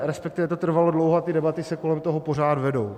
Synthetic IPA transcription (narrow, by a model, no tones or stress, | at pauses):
ɾɛspɛkt̪ɪvɛt̪ot̪r̩valodlowɦoat̪ɪdɛbat̪ɪsɛko̞lɛmt̪oɦopo̞r̝aːd̪vɛdo̞w